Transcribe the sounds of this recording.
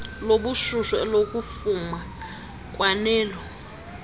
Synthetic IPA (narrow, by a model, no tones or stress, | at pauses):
loɓuʃuʃɔɛ̰lok̬ʼufuma | kʼwanɛːlɔ